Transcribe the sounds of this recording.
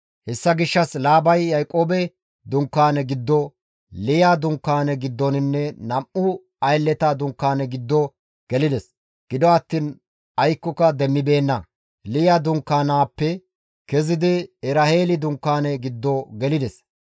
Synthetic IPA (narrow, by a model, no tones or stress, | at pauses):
hɛsːɐɡɪʃːɐslaːbɐjːɐjkʼoːbɛ | d̪ʊŋkːaːnɛɡɪd̪ːɔ | lɪjaːd̪ʊŋkːaːnɛɡɪd̪ːɔnɪnːɛnɐmʔʊ | ɐjlːɛt̪ad̪ʊŋkːaːnɛɡɪd̪ːɔ | ɡ̥ɛlɪd̪ɛs | ɡ̥ɪd̪ɔɐt̪ːiːn | ɐjkːɔkɐd̪ɛmːɪbe̞ːnːɐ | lɪjad̪ʊŋkːaːnaːpːɛ | kɛzɪd̪ɪɛɾɐheːlɪd̪ʊŋkːaːnɛɡɪd̪ːɔɡɛlɪd̪ɛs